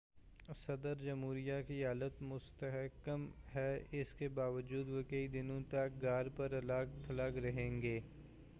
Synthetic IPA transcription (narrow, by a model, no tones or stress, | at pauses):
sɐd̪əɾd͡ʒɐmɦuːɾijakiɦaːlət̪mʊst̪əɦkəmɦɛɪskebaːʋəd͡ʒuːd̪ʋokəid̪ɪnõt̪ɐk̚ɡaːɾpɐɾɐlaːkt̪ʰɐlaːkɾɐɦẽːŋɡeː